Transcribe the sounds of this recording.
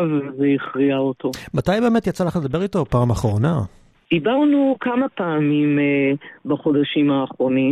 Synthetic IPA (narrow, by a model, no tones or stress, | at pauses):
vvzeiχʁiaotomatajbe̞ːmetjat͡salaχle̞d̪abe̞ʁitopaːmaχʁo̞na | d̪̥ibaʁnukamapaːmim | baχo̞d̪aʃimaːχʁo̞ni